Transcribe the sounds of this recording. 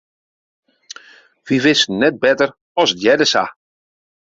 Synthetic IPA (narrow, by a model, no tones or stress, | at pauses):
ʋiʋɪsnɛt̚bɛtər | ɔstjɛdəsa̰